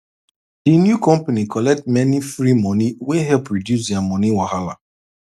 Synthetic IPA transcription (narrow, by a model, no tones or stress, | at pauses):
dinjukɔ̃mpanikɔlɛk̚tmɛnifɾimɔniweɦɛlpɹidjus̬jamɔniwahala̰